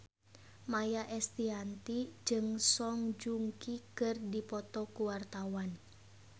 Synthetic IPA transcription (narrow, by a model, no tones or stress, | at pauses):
majaʔɛst̪iɦant̪id͡ʒɨŋsɔŋd͡ʒuŋkikɨrdipɔt̪ɔkuwart̪awan